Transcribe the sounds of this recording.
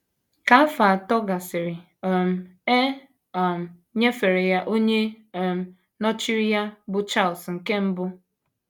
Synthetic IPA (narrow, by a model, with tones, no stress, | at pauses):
ka˨˦a˦fa˨tɔ˦ɡa˨sɪ˨ɾɪ˨ | m̩˨e˦ | ɔ˨m̩˨ | ɲe˦fe˨ɾe˨ja˦ʔo˦ɲe˦˨ | m̩˨ | nɔ˦t͡ʃi˦ɾi˦ja˦bʊ˨t͡ʃa˦˨lsŋ̩˨ke˦m̩˦bʊ˦